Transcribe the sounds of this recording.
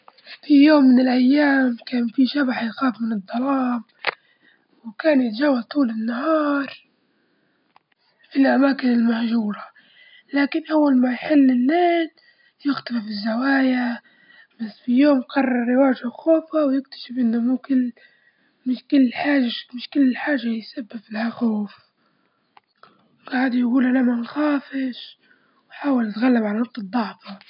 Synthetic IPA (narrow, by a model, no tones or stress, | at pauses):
fijoːmːɪnɪlʔajːaːmkaːnfiʃabaħjxaːfmɪnɨd̪ˤːɑlɑːm | wkaːnjɪt̪ad͡ʒaːwːalt̪ˤuːlɪnːahɑːɾˤ | filʔamaːkɪnɪlmahʒuːɾˤa | laːkɪnʔawːalmajħɪlːɪnːaːn | jɪxt̪afɪfɪzːawaːja | b̥asːfijoːmqɑrˤːɑɾˤːɪwaːʒaxoːfawjɪk̚t̪ḁʃɪfʔɪnːamʊkɪl | mɪʃkɪlːħaːʒamɪʃkɪlːɪħaːʒajsabːɪflahaxoːf | wɡaʕd̪jɡuːlʔanamanxaːfɪʃ | wħaːwalʔat̪ɣalːabʕalanʊq̚t̪ˤɨd̪ˤːɑʕfɑ